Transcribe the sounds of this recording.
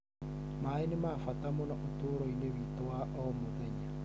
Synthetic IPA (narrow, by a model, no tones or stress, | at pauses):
maenemaːfatamonaʔotoːɾoinewitowaʔɔmoðɛɲa